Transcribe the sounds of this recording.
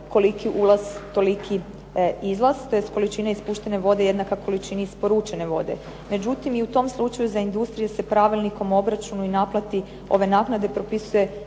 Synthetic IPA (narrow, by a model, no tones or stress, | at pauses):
ko̞likiʔulˠazt̪o̞likʰi | izlˠast̪o̞jesko̞lit͡ʃinaispuːʃt̪e̞ne̞ʋo̞d̪e̞je̞d̪nakako̞lit͡ʃinaispo̞ɾuːt͡ʃeneʋo̞̰d̪e̞̰ | me̞d͡ʒut̪imiut̪o̞mslˠut͡ʃajuzaind̪ust̪ɾijesepɾaʋilniko̞mo̞bɾat͡ʃunuinaplˠat̪i | o̞̰ʋe̞naknad̪e̞pɾo̞pisuje̞